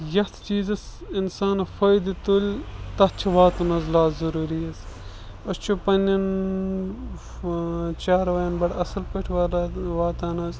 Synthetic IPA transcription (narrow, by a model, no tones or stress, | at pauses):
jɐt̪ʰt͡ʃiːzɐsinsaːnɐfɐjd̪it̪olʲt̪ɐt͡ʃʰɐʋaːt̪unɐzlaːt̪zɐɾuːɾiɐs | ɐst͡ʃʰupɐnɐn | t͡ʃaːɾɐʋɐjɐnbɐɽɐsɐlpɐʈʰʋaːɾaʋaːt̪aːnɐz